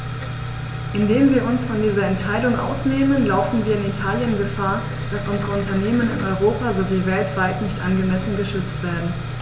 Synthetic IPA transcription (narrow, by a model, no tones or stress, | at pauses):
ʔɪndeːmviːɐʔʊnsfɔndiːzɐɛntʃaɪdʊŋʔa̰ʊsneːmənlaʊfn̩viːɐɪnitʰaːljənɡəfaːɐ | d̥asʔʊnzəʁəʊntɐneːmənɪ̰nɔʏʁoːpazoviːvɛltv̥aɪtnɪçtʔanɡəmɛsn̩ɡəʃʏt͡stv̥eːɐdn̩